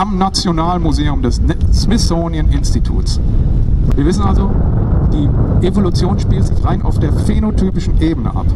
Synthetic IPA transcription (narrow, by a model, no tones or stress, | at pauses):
ʔamnat͡sjonaːlənmuzeːʊmdɛsnsmɪsoːnjənʔɪnstitʰṵːts | viːɐvɪsn̩alzod̥iːʔevolut͡sjoːnʃpiːltz̥ɪçʁaɪnʔa̰ʊfd̥eːɐfenotʰyːpɪʃn̩ʔeːbənə̰ʔa̰p